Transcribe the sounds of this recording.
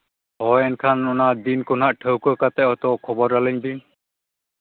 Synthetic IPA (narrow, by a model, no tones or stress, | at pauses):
ɦɔjɛnkʰanɔnad̪inkonaʔʈʰəwkɔkat̪ɛɔt̪ɔkʰɔbɔɾːaliŋd̪in